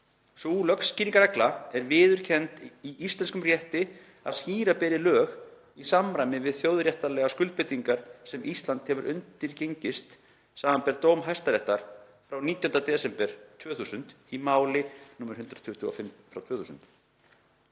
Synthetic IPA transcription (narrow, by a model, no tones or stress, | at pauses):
sulœksciːniŋkaɾɛklaɛɾvɪːðʏɾ̥cʰɛnt̪iʔist̪lɛnskʏmrjɛht̪ɪ | a̰ðsciːɾapɛːðɪlœːɣ | isamɾajmɪvɪðθjowðɾjɛht̪alɛɣaskʏlt̪pɪt̪iŋkaɾ̥sɛmʔist̪lant̪hɛvʏɾʔʏnt̪ɪɾcejɲcɪst̪ | saːmampɛɾt̪owmɦajst̪aɾɛht̪aɾ̥ | fɾawniːt̪jɔnt̪at̪ɛːsɛmpɛɾ̥t̪ʰvœːθuːsʏnt̪ | imaːwlɪnʊːmːɛɾ̥hʏnt̪ɾat̪ʰʏht̪ʏɔ̰fɪmfɾawt̪ʰœːθuːsʏ̰nt̪